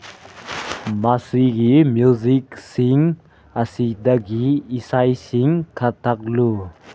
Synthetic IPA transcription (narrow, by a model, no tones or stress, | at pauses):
masiɡimjuziksiŋ | asid̪aɡiːsajsiŋkʰat̪ʰak̚lu